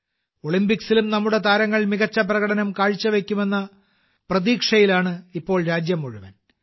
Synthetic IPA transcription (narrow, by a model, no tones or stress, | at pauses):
o̞ɭimbiksilumnɐmːuɽe̞t̪aːɾɐŋːɐɭmiɣɐt͡ɕːɐp̬rɐɣɐɽɐnɐmkaːɻt͡ɕːɐʋe̞kʲːume̞nːɐ | prɐðiːkʂɐjilaːɳɨipːo̞ːɭɾaːd͡ʑjɐmːoɻuʋɐn